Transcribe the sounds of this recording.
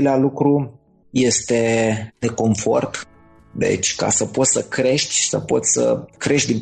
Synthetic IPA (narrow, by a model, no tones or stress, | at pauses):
lealukɾu | je̞st̪e̞d̪e̞ko̞ɱfo̞̰rt̪ | d̪e̞̰t͡ʃʲka̰səpo̞t̪səkɾe̞ʃt̪ʲsə̰po̞t̪sʲsə̰kɾe̞ʃt̪̚ʲd̪in